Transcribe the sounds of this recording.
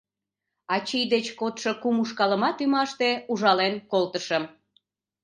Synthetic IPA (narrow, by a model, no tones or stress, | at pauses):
ɑt͡ɕijd̪et͡ɕkot̪ʃokumuʃkɑləmɑt̪ymɑʃt̪euʒɑlenkolt̪əʃə̆m